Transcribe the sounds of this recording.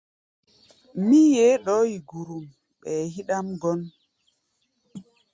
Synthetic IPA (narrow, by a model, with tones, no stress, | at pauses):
mi˦je˦ɗɔ˦ji˨ɡu˨ɾu˨m | ɓɛ˨hi˦ɗa˦mɡɔ˦n